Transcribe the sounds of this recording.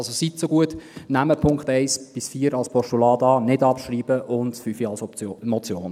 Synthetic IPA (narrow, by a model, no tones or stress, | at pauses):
lsosit̪soɡuətnæməpʰʊŋkχt̪ɛɪsb̥ɪsfiːəɾɑlspʰɔʃtulɑːdɑːnɪdɑpʃɾiːb̥əʔʊndfyfiɑlsɔmɔt͡sjoːn